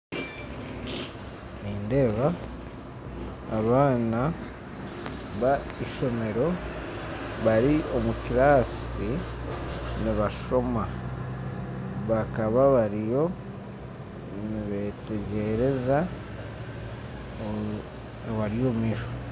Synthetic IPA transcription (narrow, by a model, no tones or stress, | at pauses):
niːnde̞ːβa | βaːna | βa | iʃo̞me̞ɾo̞ | βaɾio̞mukiɾaːsi | niβaʃo̞ma | βakaβaβaɾijo̞ | niβete̞ɟe̞ɾe̞za | βaɾijo̞ːmiːʃo̥